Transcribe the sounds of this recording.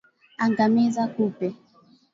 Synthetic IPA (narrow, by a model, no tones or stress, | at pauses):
aŋɡamɛzakupɛ